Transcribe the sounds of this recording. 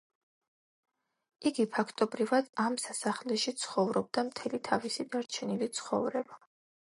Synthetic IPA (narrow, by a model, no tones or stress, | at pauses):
iɡipʰakʰt̪ʼɔbɾivad̪̥amsasaχlɛʃit̪sʰχɔvɾɔb̚d̪amt̪ʰɛlit̪ʰavisid̪aɾt͡ʃʰɛnilit̪sʰχɔ̰vɾɛba